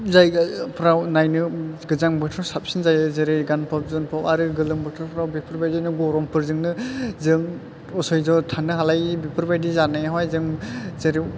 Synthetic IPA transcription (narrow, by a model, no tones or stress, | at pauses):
zajpʰɾawnajnɯɡɯzaŋbɯtʰɯɾsap̚sinzajɯzeɾɯjɡanpʰɯp̚zɯnpʰapaɾɯɡɯlɯŋbɯtʰɯɾpʰɾawbipʰɯɾbajdanɯɡɔɾɔmpʰɯɾzɯŋnɯzɯŋ | ɔsɔjzɔtʰanɯɦalajibipʰɯɾbajdizanajɦajzɯŋzeɾi